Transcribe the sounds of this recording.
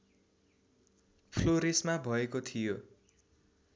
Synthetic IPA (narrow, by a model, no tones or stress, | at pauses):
pʰloɾesmabʱʌekot̪ʰijo